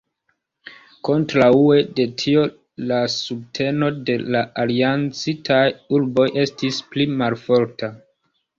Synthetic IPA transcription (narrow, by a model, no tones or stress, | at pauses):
ko̞ntɾaue̞de̞tʰio̞ | lasub̚tʰe̞no̞de̞laʔaliant͡sitʰajuɾbo̞jʔe̞stisplimalfo̞ɾta